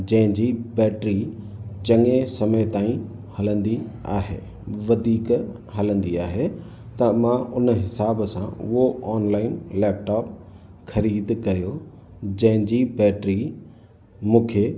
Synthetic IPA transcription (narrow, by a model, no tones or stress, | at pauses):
d͡ʑɐ̃ɦɪ̃d͡ʑibɛːʈɾit͡ɕɐŋesɐməjt̪aːĩ | hɐlə̃nd̪ia̰ːɦḛː | ʋɐd̪ʱiːk | ɦɐlə̃nd̪iaːɦe | t̪ɐmãʊnɦɪsaːbsãʊ̰ɦoɔːnlaːɪnlɛːp̚ʈaːp | xʰɐɾiːd̪kɐjo | d͡ʑɐ̃ɦɪ̃ɲd͡ʑibɛːʈɾi | mũːkʰe